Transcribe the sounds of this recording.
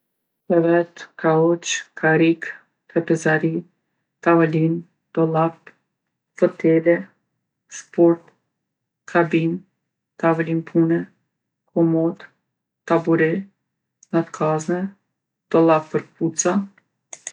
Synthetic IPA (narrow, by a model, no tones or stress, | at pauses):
pɛvɛt̪kʰaɔt͡ʃkʰaɾik | t̪ɾɛpɛzaɾi | t̪avalin | d̪̥ɔlˠap | fɔt̪ɛlɛ | spɔɾt̪ | kʰabin | t̪avalinpʰunɛ | kʰɔmɔd̪ | t̪abuɾɛ | ŋat̪kʰaznɛ | d̪̥ɔlˠapːəɾput͡sa